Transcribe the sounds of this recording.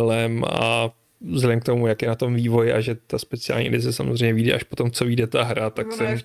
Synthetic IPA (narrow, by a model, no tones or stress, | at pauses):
lɛma̰ | zɛdɛmkt̪o̞mujakjɛnat̪o̞mviːvo̞jɪʔa̰ʒɛt̪aspɛt͡sɪa̰ːlɲḭdɪzɛsamozr̝ejmɲɛviːdɛ̰ʔaʃpot̪o̞mt͡soviːdɛt̪aɦɾat̪aksɛm